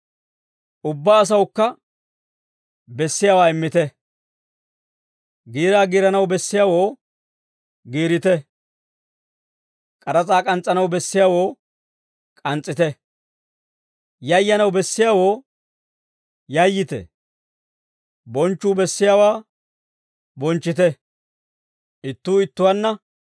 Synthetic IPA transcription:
ʊbːaːs̬ɐwkːɐ | bɛsːɪjaːwaːɪmːɪt̪ɛ | ɡiːɾaːɡiːɾɐnɐwbɛsːɪjaːwo̞ː | ɡiːɾɪt̪ɛ | kʼɐɾɐt͡sʼaːkʼɐnt͡sʼːɐnɐwbɛsːɪjaːwo̞ː | kʼɐnt͡sʼːɪt̪ɛ | jɐjːɐnɐwbɛsːɪjaːwo̞ː | jɐjːɪt̪ɛ̰ | bɔnt͡ʃːuːbɛsːɪjaːwaː | bɔnt͡ʃːɪt̪ɛ | ɪt̪ːuːɪt̪ːʊwɐnːɐ

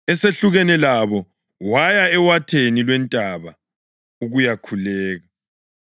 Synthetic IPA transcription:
ɛseɬuɣɛnɛlaβɔ | wajaɛwatʰenilwɛntʼaβa | uɣujakʰulɛːɣa

